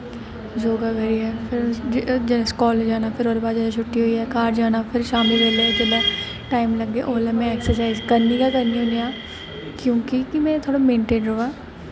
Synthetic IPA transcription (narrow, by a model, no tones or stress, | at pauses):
d͡ʒoːɡaɡʱɛɾiɦɛpʰɪɾd͡ʒskɔːld͡ʒaːnapʰɪɾɦoːɾbaːd̪d͡ʒalat͡ʃʰʊʈːiɦoiɦɛkaːɾd͡ʒaːnapʰɪɾʃaːmɪld͡ʒɐled͡ʒɐla | ʈaːɪmlɐɡːeʔoːlamɛ̃ɛːksəɾsaːɪzkɐɾnikakɐɾniɦonijaː | kjõːkikimɛ̃t̪ʰoːɽamẽːɳʈeːnɾoːa